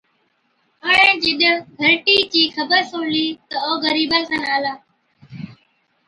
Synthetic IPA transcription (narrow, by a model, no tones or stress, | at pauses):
ɦəːɳẽːd͡ʒɪɗɡʱəɾʈiːt͡ʃiːxəbəɾsoːɳliːt̪əoːɣəɾiːbəːlsənaːlaː